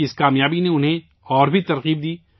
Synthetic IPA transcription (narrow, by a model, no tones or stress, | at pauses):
ɪskaːmjaːbineʊnɦẽ | ɔːɾbʱit̪ɐɾqiːb̚d̪iː